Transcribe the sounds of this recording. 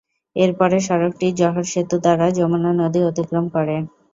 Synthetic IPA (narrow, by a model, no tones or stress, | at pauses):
eɾpɔɾeʃɔɾok̚ʈid͡ʑɔɦoɾʃet̪ud̪aɾad͡ʑomonanod̪iot̪ikɾomkɔɾe